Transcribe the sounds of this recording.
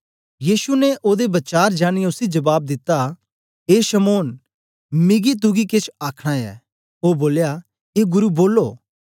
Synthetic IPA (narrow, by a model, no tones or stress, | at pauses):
jiːsunɛʔoːd̪ebɐt͡ʃaːɾd͡ʒaːɽ̃iʊsid͡ʒɐbaːb̚d̪ɪt̪ːa | ɦeːʃɐmoːn | mɪɡit̪̬ʊɡiket͡ʃʰaːkʰɽ̃aɛ̰ː | oːboːlja | eːɡʊɾuboːlːo̰ː